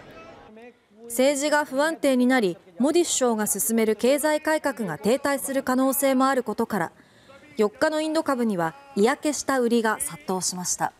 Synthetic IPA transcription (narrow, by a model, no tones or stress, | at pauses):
se̞ːʑiɡaɸɯ̟βãnt̪e̞ːɲ̟inaɾʲimo̞d̪ʲiɕːo̞ːɡasɨsɨme̞ɾɯ̟ke̞ːzaikaikakɯ̟ɡat̪e̞ːt̪aisɨɾɯ̟kano̞ːse̞ːmo̞aɾɯ̟ko̞t̪o̞kaɾa̰ | jo̞kːano̞ĩnd̪o̞kabɯ̟ɲ̟iβaijake̞ɕi̥t̪aɯ̟ɾʲiɡasat̪ːo̞ːɕimaɕi̥t̪a̰